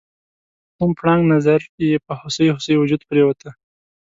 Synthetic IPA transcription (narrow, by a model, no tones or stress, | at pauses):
k̪umpɽɑŋɡnazaɾjepəhʊsəjhʊsəjwʊd͡ʒud̪pɾewat̪ə